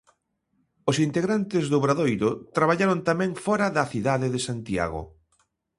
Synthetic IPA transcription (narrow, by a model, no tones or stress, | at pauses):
osint̪eɣɾant̪ɪzðʊβɾaðojɾʊt̪ɾaβaʎaɾont̪amɛ̃ŋfɔɾɐðɐθiðaðɪðesant̪ia̰ɣʊ̰